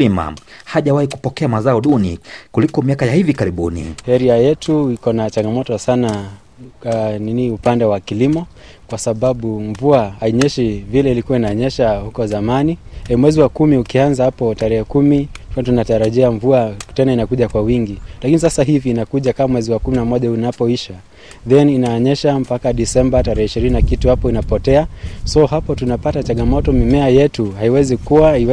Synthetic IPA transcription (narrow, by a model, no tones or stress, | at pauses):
ima̰haʄawahiku̥pɔkɛamazaɔɗunḭkulikɔmiakajahivikaɾiɓunḭhɛɾiajɛtʰuikɔnat͡ʃaŋɡamɔtɔsana | niniupandɛwakilimɔ | kwasaɓaɓuɱvuaaiɲɛʃivilɛilikuwainaɲɛʃahukɔzamanimwɛziwakumiukianzahapɔtaɾɛhɛkumikatunataɾaʄiaɱvuatɛnainakuʄakwawiŋɡilakinisasaɦiviːnakuʄakamwɛziwakuminamɔʄaunapɔiʃa | ðɛninaɔɲɛʃampakaɗisɛmbataɾɛhɛiʃiɾininakituhapɔinapɔtɛasɔɦapɔtunapatat͡ʃaŋɡamɔtɔmimɛajɛtuhaiwɛzikuwaiwɛ